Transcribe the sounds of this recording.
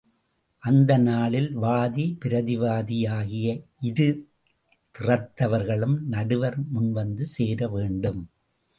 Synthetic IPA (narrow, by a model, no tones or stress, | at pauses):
ʔɐnd̪ɐnaːɭɪlʋaːðipɪɾɐðɪʋaːðɪjaːɣɪjɐʔɪðɯ | t̪ɪrɐt̪ːɐʋɐɾɣɐɭɯmnɐɽɯʋɐɾmʊnʋɐnd̪ɯseːɾɐʋeːɳɖɯm